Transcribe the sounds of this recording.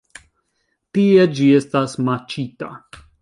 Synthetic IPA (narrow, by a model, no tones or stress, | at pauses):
t̪ied͡ʒiestasmat͡ʃit̪a̰